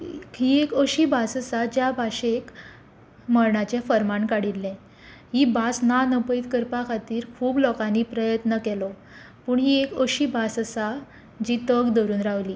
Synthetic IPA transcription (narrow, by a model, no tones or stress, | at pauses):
hiekəɕiːbasəsad͡ʑjabʱaɕek | məɭɳat͡ɕafəɾmaɳkaɽilːɛ̃ | ɦibasnanəpit̪kəɾpakʰat̪iːɾkʰuːblɔkãnipɾəjət̪nəkɛlɔ | puːɳɦiekəɕiːbasəsa | d͡ʑiːt̪əɡd̪ɔɾuːnɾaʋliː